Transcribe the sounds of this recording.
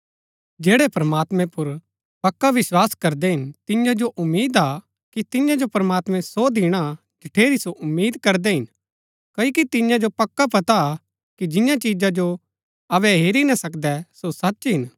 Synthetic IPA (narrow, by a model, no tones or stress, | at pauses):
d͡ʒeːɽɛpɾɐmaːt̪mɛ̃pʊɾ | pɐkːaʋɪswaːskɐɾd̪ɛɦɪnt̪ɪjãd͡ʒoʔʊmːiːd̪a | kit̪ɪjãd͡ʒopɾɐmaːt̪mɛ̃sod̪iɽ̃a | d͡ʒɐʈʰeːɾisoʔʊmːiːd̪kɐɾd̪ɛɦɪn | kɐikit̪ɪjãd͡ʒopɐkːapɐt̪a | kid͡ʒɪjãt͡ʃiːd͡ʒad͡ʒo | ɐʋɛɦeːɾinɐsɐkd̪ɛsosɐtːʃɦɪn